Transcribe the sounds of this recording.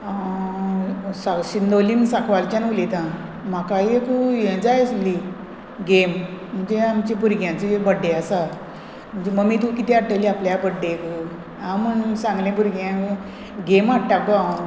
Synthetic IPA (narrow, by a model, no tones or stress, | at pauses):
saɕind̪olimsakʋalt͡ɕanulit̪ã | m̤akajekujẽd͡zajəsli | ɡemm̤əɳd͡zeamt͡ɕebuɾɡjãt͡seebəɖːeasa | m̤əɳd͡zeməɡmiːt̪̬ũkit̪eaʈəliapljabəɖːeku | ãməɳsãŋɡlẽbuɾɡjã | ɡemaɽʈːak̚ba